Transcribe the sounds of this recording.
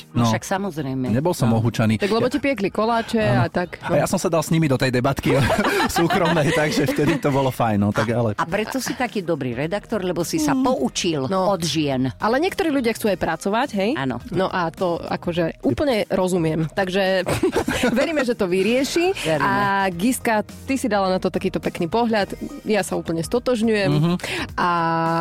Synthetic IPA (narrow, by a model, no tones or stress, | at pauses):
nɔʃaksamɔzɾɛjmɛɲɛbɔlsɔmɔɦut͡ʃaniːaɡlɛbɔcipɪɛklikɔlaːt͡ʃɛat̪aknajasɔmsad̪alsɲimid̪ɔt̪ɛjd̪ɛbat̪kisuːkɾɔmnɛjt̪aɡʒɛft̪ɛd̪it̪ɔbɔlɔfajnːɔt̪aɡalɛapɾɛt̪ɔsit̪akiːd̪ɔbɾḭːɾɛd̪akt̪ɔɾlɛbɔsisapɔʔut͡ʃilnɔɔd̪ʒɪɛnʔalɛɲɪɛkt̪ɔɾiːlʎuɟɪaxt͡suːajpɾat͡sɔʋaɟɦɛja̰ːnɔ̰nɔʔat̪ɔa̰kɔʒɛʔuːpl̩ɲɛɾɔzumɪɛmt̪aɡʒɛ | ʋɛɾiːmɛʒɛt̪ɔʋiɾɪɛʃiʋɛɾiamɡiska | t̪isid̪alanat̪ɔt̪akiːt̪ɔpɛkniːpɔɦʎat̪jasauːpl̩ɲɛst̪ɔt̪ɔʒɲujɛmmɦʔa